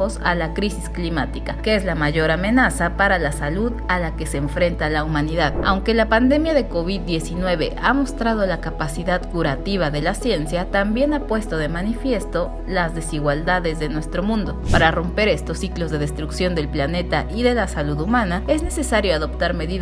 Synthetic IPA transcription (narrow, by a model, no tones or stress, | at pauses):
osalakɾisisklimat̪ikakeezlamaʝo̞ɾamẽ̞nasapaɾalasaluðalake̞se̞ːɱfɾe̞nt̪alaumãniðaða̰wŋke̞lapand̪e̞mjaðe̞ko̞βiðːje̞sinwe̞βe̞̰ʔamo̞st̪ɾað̞o̞lakapasiðaðkuɾat̪iβ̞aðe̞lasje̞nsjat̪ambje̞napwe̞st̪o̞ðe̞manifje̞st̪o̞ | lazðe̞siɣwald̪aðe̞zðe̞nwe̞st̪ɾo̞mũnd̪o̞paɾaro̞mpe̞ɾe̞st̪o̞sːiklo̞zðe̞ðest̪ɾuksjo̞nd̪e̞lplane̞t̪aʔiðe̞lasaluðumãnae̞zne̞se̞saɾjo̞aðo̞pt̪aɾme̞ðið